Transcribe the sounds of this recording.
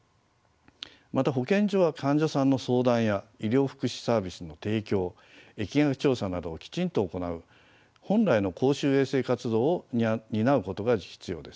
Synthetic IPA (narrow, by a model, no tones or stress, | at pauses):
mat̪aɦo̞kẽ̞ɲ̟d͡ʑoβakʰãɲ̟d͡ʑasãnːo̞so̞ːd̪ãɰ̃jaiɾʲo̞ːɸɯ̟̥kɯ̟ɕi̥saːbʲisɨno̞t̪e̞ːkʲo̞ː | e̞kʲiŋakɯ̥t͡ɕo̞ːsanad̪o̞ːkʲi̥t͡ɕĩnt̪o̞ːko̞naɯ̟ | hõ̞nɾaino̞kʰo̞ːɕɨːe̞ːse̞ːkat͡sɨd̪o̞ːoɲ̟inaɯ̟ko̞t̪o̞ɡaçʲi̥t͡sɨjo̞̰ːd̪e̞sɨ̥